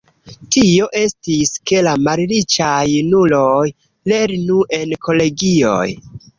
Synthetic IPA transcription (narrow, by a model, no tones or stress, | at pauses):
tio̞ʔe̞stiske̞lamalɾit͡ʃajnulo̞j | le̞ɾnuʔe̞nkʰo̞le̞ɡio̞̰j